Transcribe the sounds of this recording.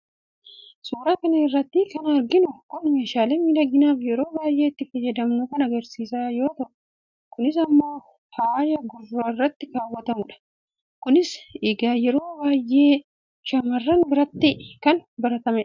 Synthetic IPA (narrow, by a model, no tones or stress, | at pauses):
suːɾaːkɐnɐɪrːɐt̪ːɪkɐnɐɾɡɪnʊkʊnmeːʃaːleːmid̪ɐɡɪnaːfjɛɾo̞ːbaːjʔe̞ːt̪ːɪfɐjːɐd̪ɐmnʊkɐnɐɡɐɾsiːsaːjo̞ːt̪ɐʔʊ̥ | kʊnɪs̬ɐmːo̞ː | haaːjɐɡʊrːoɪrːɐt̪ːɪkaːwːɐt̪ɐmʊᶑɐ̥ | kʊnɪsɪɡaːjɛɾo̞ːbaːjʔːe̞ː | ʃɐmɐrːɐnbɪɾɐt̪ːɪkɐnbɐɾɐt̪ɐmɛᶑɐ